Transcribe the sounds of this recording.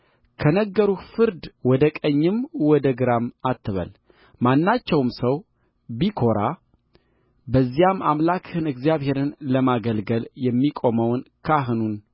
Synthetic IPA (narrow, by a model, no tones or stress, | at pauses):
kʰənəɡːəɾufɨɾd̪wɔd̪əkʼəɲːɨmwɔd̪əɡɨɾamat̪ʰːɨβə̰l | manːat͡ʃːɛwmsəw | bikʰo̞ɾa | bəzːijama̰mlakhɨnɨɡzijaβhe̞ɾɨnləmaɡəlɡəljɛmːikʼo̞məwnkʰaɦɨnun